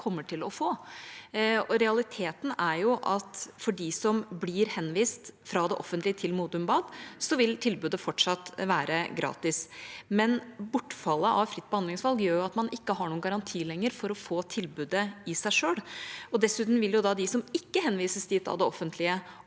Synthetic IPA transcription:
kʰɔmːəʈʰɪlɔfoː | ɔɾɛɑlɪt̪ʰeːt̪n̩æɾjʊʔɑt̪fɔɖɪsɔmblɪɾhɛnʋiːst̪fɾɑd̪ɛʔɔfːənt̪lɪət̪ʰɪlmuːd̪ʉmbɑːd̪sɔʋɪlt̪ʰɪlbʉːd̪əfɔʈʂɑt̪ːʋæːɾʔəɡɾɑ̰ːt̪ɪsmɛnbʊʈːfɑlːəʔɑʋfɾɪt̪ːbɛhɑnd̪lɪŋsʋɑlɡjøːɾjʊɑt̪mɑnʔɪkːəɦɑɳuːənɡɑɾɑnt̪ʰiːlɛŋːəɾfɔɾɔfoːt̪ʰɪlbʉːd̪əɪsæɪʂøːlɔd̪ɛsʉːt̪n̩ʋɪljʊd̪ɑd̪ɪsɔmɪkːəɦɛnːʋiːsəst̪ɪt̪ɑ̰ʋd̪ɛɔfːənt̪ʰlɪə

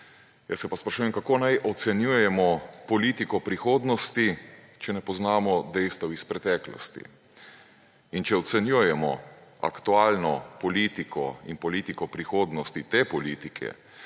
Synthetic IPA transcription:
jasːɛpaspɾaʃuːjɛmkakoːnajʔɔt̪sɛnjujɛmɔpɔliːt̪ikɔpɾixoːd̪nɔst̪i | t͡ʃɛnɛpɔznaːmɔd̪ɛjst̪ɐwispɾɛt̪ɛːklɔ̰st̪ḭ | int͡ʃɛɔt̪sɛnjujɛmɔ̰a̰kt̪uaːlnɔpɔliːt̪ikʰɔ̰inpɔliːt̪ikɔpɾixoːd̪nɔst̪it̪eːpɔliːt̪ikʰɛ̰

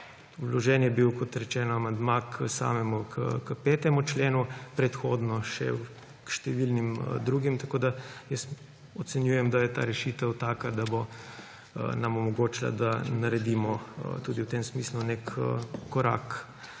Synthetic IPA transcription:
wlɔʒɛːnjɛbiwkɔt̪ɾɛt͡ʃɛːnɔamand̪maksa̰ːmɛmukʰəkəpɛːt̪ɛmut͡ʃleːnupɾɛt̪xoːd̪nɔʃɛ̰ | kʃt̪ɛʋilnimd̪ɾuːɡimt̪akoːd̪ajəs | ɔt̪sɛnjujɛmd̪ajɛt̪a̰ːɾɛʃiːt̪ɛwt̪aːkad̪abo | namɔmɔɡoːt͡ʃla̰d̪anɐɾɛd̪imɔt̪uːd̪iwt̪emsmiːslunekːɔɾa̰ːk

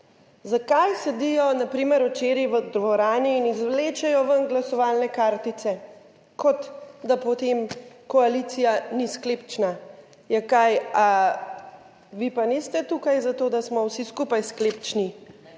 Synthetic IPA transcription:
zakajsɛd̪ijɔnapɾiːməɾɔt͡ʃeɾiʋəd̪ʋɔɾaːniːnizʋleːt͡ʃɛjɔʋənɡlasɔʋaːlnɛkaɾt̪it̪sɛ | kʰɔt̪d̪apɔt̪emkɔalit̪sijanisklept͡ʃna | jɛkaja | ʋipanist̪ɛt̪ukajzat̪oːd̪asmɔwsiskupajsklept͡ʃni

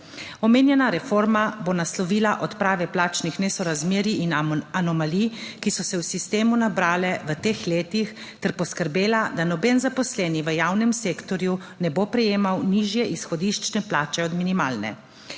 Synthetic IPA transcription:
ɔmeːnjɛnaɾɛfoɾmabonaslɔʋiːlaʔɔt̪pɾaːʋɛplaːt͡ʃnixnɛsɔɾazmeːɾiinanɔmalikisɔsɛwsist̪eːmunabɾaːlɛʋət̪eːxleːt̪ix | t̪ɛɾpɔskəɾbeːlad̪anɔbɛnzapɔslɛːniʋəjawnɛmseːkt̪ɔɾju | nɛbopɾɛjeːmawniʒjɛʔisxɔd̪iʃt͡ʃnɛplaːt͡ʃɛɔd̪minima̰ːlnɛ̰

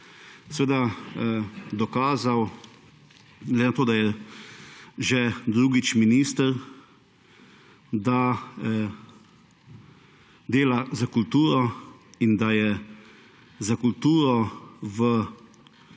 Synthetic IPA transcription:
sɛʋeːd̪a | d̪ɔkaːzaw | ɡlɛd̪enat̪oːd̪ajɛ | ʒɛd̪ɾuːɡit͡ʃminiːst̪əɾ | d̪a | d̪eːlazakult̪uːɾɔind̪ajɛ | zakult̪uːɾɔʋə

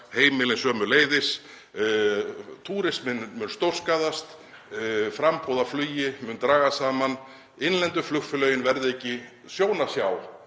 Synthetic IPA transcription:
heːjmɪlɪnsœːmʏleːjðɪs | t̪ʰuːɾɪsmɪnmʏnst̪owr̥skaːðast̪ | fɾampowðaflyːjɪmʏnt̪ɾaːɣasaːman | ɪnlɛnt̪ʏflʏxfʏlœːɥjʏnvɛɾðɪɛhcːɪ | sjoːwnasjaw

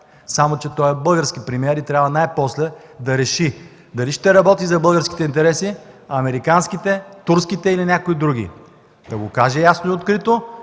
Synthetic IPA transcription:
samot͡ʃɛt̪ɔjɛbɤlˠɡəɾsk̟ipɾimiɛɾit̪ɾʲabvɐnajpɔslɛ | d̪ɐɾɛʃi | d̪ɐliʃt̪ɛɾɐbɔt̪izɐbɤlˠɡəɾskʲi̥t̪ɛint̪ɛɾɛsi | ɐmɛɾikansk̟it̪ɛt̪uɾskit̪ɛilinʲakoid̪ɾuɡ̟ḭ | d̪̥ɐɡokaʒɛjasnoiot̪kɾit̪o

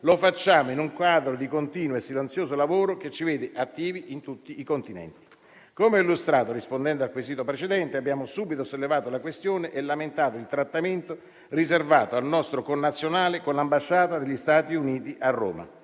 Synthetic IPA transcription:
lofat͡ʃːaːmoinuŋkwaːd̪ɾod̪ikont̪iːnwoesːilent̪sjoːzolavoːɾoket͡ʃːiveːd̪ɪʔat̪ːiːviʔint̪ut̪ːiːkont̪inɛ̰nt̪i̥ | komeɔilːust̪ɾaːt̪orispond̪ɛnd̪oalkwiziːt̪opɾet͡ʃed̪ɛnt̪eabːjaːmosuːbit̪osolːevaːt̪olakwest̪joːneʔelːament̪aːt̪oilt̪ɾat̪ːament̪o | rizervaːt̪oalnɔst̪ɾokonːat̪sːjonaːlekonlambaʃːaːt̪ad̪elʎːist̪aːt̪iuniːt̪iʔarːo̰ːma̰

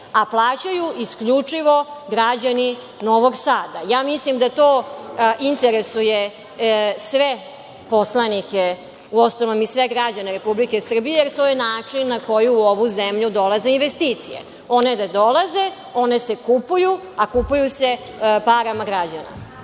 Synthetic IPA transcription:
aplˠaːt͡ɕajuʔiskʎut͡ʂiʋo̞ɡɾad͡ʑani | no̞ʋoɡsaːd̪ajaːmislimd̪at̪oːint̪eɾesuje | sʋe | poslˠanike | uosoʋomisʋeɡɾad͡ʑaneɾe̞publike̞sr̩bijejeɾt̪oːjenaːt͡ʂinːako̞juuoʋuzemʎud̪o̞laze̞inʋe̞st̪iːt̪sijḛ | o̞ne̞d̪ad̪o̞lˠaze̞ | o̞ne̞sekupuju | akupujuse | paɾamaɡɾad͡ʑana̰

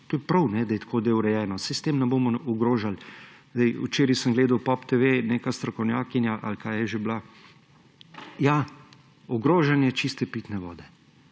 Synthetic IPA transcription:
t̪oːjɛpɾɐwnɛd̪ajɛt̪ḁkʰoːd̪eːwɾɛjɛːnɔsɛst̪eːmnɛboːmɔɔɡɾoːʒalzd̪ɛjṵt͡ʃeːɾisəmɡleːd̪awpɔpt̪eʋeneːkast̪ɾɔkɔwnjaːkinjaʔa̰lkaːjɛʒebla | ja | ɔɡɾoːʒanjɛt͡ʃist̪ɛpiːt̪nɛʋɔːd̪ɛ

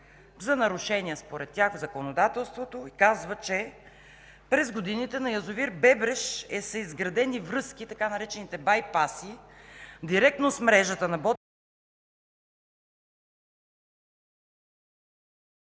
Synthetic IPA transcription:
zɐnɐɾʊʃɛnʲiəspoɾɛt̪ːjaxvzɐkonod̪at̪ɛlˠst̪vot̪oikazvət͡ʃɛ | pɾɛzɡod̪init̪ɛnɐjɐzʊviɾbɛbɾɛʃɛsəizɡɾɐd̪ɛnivɾɤsk̟it̪ɐkanɐɾɛt͡ʃɛnit̪ɛbajpasi | d̪iɾɛk̚t̪nosmɾɛʒət̪ənɐbɔ

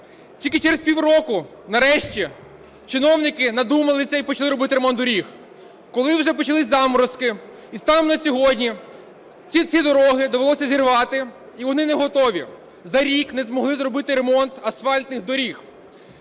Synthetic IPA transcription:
tʲilʲkɪt͡ʃɛɾespʲiwrɔkʊ | nɐɾɛʃt͡ʃʲi | t͡ʃɪnɔwnɪkɪnɐd̪umɐlˠɪsʲɐipɔt͡ʃɐlˠɪɾɔbɪt̪ɪɾemɔnd̪ɔɾʲix | kɔlˠɪwʒɛpɔt͡ʃɐlˠɪsʲzɑmɔɾɔskɪ | ist̪ɑmnɐsʲɔɦɔdʲnʲi | t͡sʲit͡sʲid̪ɔɾɔɦɪd̪ɔʋelˠɔsʲɐzʲirʋɑt̪ɪ | iʋɔnɪneɦɔt̪ɔʋʲi | zɐɾʲiknɛzmɔɦlˠɪzrɔbɪt̪ɪɾemɔnt̪ɐsfɑlʲt̪nɪxd̪ɔɾʲix

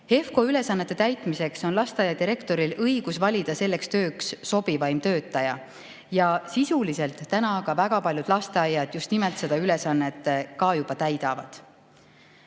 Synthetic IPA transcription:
he̞fko̞yle̞sɑnːet̪ːe̞t̪æjt̪ˑmise̞kso̞nlɑst̪eɑjɑd̪iɾe̞kt̪o̞ɾilɤjɡ̥usvɑlʲid̪ɑse̞lːe̞kst̪ø̞ːksːo̞b̥ivɑjmt̪ø̞ːt̪ːˑɑjɑ | jɑsisulise̞lt̪ːænɑkɑvæɡ̥ɑpɑlʲjud̪̥lɑst̪eɑjːɑd̪̥just̪nimelt̪se̞d̪̥ɑyle̞sɑnːe̞t̪ˑːkɑːjub̥ɑt̪æjd̪̥ɑvɑ̰d̪̥

